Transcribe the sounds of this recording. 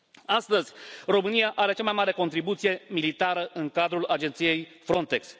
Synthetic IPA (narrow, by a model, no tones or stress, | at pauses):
ast̪əzʲro̞mɨnijaʔaɾe̞t͡ʃamajmaɾe̞ko̞nt̪ɾibut̪sije̞milit̪aɾəʔɨŋkad̪ɾulad͡ʒe̞nt̪sije̞jfɾo̞nt̪e̞ks